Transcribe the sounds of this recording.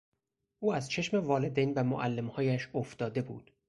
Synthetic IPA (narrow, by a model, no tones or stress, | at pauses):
ʔuːæzt͡ʃʰe̞ʃmevɒːle̞d̪ejnbæmo̰ʔælːemhɒːjæʃoft̪ɒːd̪e̞bṵːd̪̥